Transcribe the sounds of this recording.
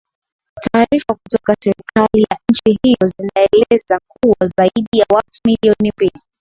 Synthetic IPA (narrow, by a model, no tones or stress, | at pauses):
taːɾifakutɔkasɛɾikalijan̩t͡ʃiɦijɔzinaɛlɛzak̚uwazaiɗijawatumiliɔnimbili